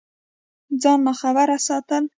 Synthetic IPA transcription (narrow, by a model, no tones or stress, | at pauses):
d͡zɑnmaxabaɾasɑt̪əl